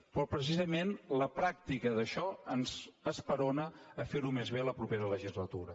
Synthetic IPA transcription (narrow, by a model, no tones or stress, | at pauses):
pɾɔpɾəs̬izəmenləpɾak̚t̪ikəðəʃɔənzəspəɾonəːfeɾumezβ̞eləpɾupeɾələʒizlət̪uɾə